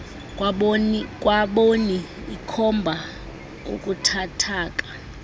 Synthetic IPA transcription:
kʼwaɓoni | ikʰɔmbʱa | ṵkʼutʰatʰaːkʼḁ

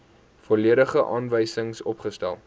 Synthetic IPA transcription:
fɔliəɾəχəʔɑːnvəjsəŋsɔpχəstæ̰lˠ

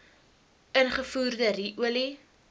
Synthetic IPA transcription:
ənχəfuːrdəriʔuəli

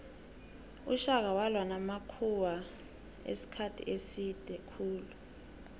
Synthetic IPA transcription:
ṵʃak̬awalwanamakʰuwa | ḛsi̥kʰatʰḭʔesid̥ʱɛkʰuːlu

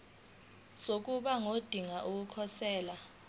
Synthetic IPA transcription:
sok̬uɓaŋod̥ʱiŋaʔuk̬ukʰɔsɛːla

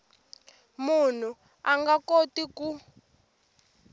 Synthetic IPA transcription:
mun̤u | aŋɡakotiku

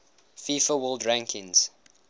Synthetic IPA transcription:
fiːfəwəlˠdɹãŋkʰɪ̃ŋz̥

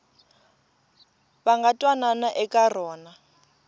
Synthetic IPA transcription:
baŋɡatʼwananaʔɛkʼarɔːna

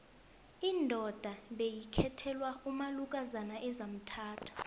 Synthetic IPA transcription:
iːndʱɔd̥ʱaɓejikʰɛtʰɛlwaumalukʼazanaʔɛzam̩tʰaːtʰḁ

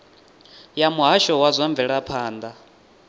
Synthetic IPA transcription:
jamuɦaʃɔwazʷɔɱbvɛɺapʰaːnd̪a

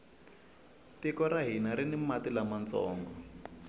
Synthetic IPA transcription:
tikɔɾaɦinaɾinimatilamant͡sɔ̰ːŋɡɔ

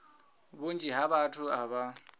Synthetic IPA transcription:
bond͡ʒʼiɦaβatʰʊaβa

